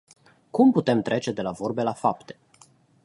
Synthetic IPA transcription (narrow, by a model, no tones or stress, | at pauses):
kumput̪e̞mt̪ɾʔe̞t͡ʃe̞d̪e̞lavo̞rbe̞lafapt̪e̞̥